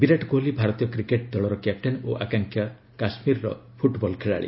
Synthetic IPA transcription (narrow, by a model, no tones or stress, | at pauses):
biɾaʈɡolibʱaɾɔt̪ijɔkɾikeʈ̚d̪ɔɭɔɾɔkep̚ʈenoʔakaŋkʰja | kasmiɾɔɾɔ̰pʰuʈbɔlkʰeɭa̰ɭḭ